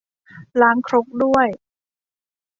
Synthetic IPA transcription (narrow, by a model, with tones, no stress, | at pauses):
laː˨˦ŋkʰɾo˦˥k̚du˥˩əj